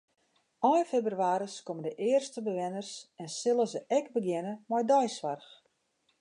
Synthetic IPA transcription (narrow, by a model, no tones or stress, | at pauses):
ɔjfebrɥaːɾəskoməndəʔɪərstəbəʋɪnərsɛnsɪlˠəzəʔɛkbəɡjɪnəmɔjdɔjsʋarx